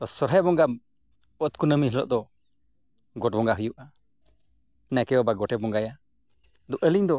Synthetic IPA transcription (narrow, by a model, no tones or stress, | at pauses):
t̪ɔsɔɾɦabɔŋɡam | ɔt̪̚kunəmiɦɛlɔ̰ʔd̪ɔ | ɡɔʈ̚bɔŋɡaɦujuʔa | nakɛjɔbaɡɔʈɛbɔŋɡaja | d̪ɔʔəliɲd̪ɔ